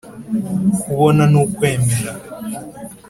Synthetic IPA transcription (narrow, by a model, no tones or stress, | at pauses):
kʰuβɔnanukwɛmɛla